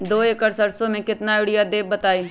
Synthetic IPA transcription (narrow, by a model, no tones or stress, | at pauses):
d̪oːeːkəɾsəɾsõːmɛ̃ːkɪt̪naːɪɽɪjaːd̪eːbːət̪aːiː